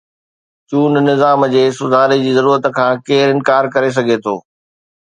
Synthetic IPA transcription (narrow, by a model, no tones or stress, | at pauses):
t͡ɕuːnnɪzaːmd͡ʑeːsʊzʱaːlid͡ʑiːzɐɾuːɾət̪kʰãːkeːɾɪnkaːɾkɐɾes̬ɐɡʱet̪ʰoː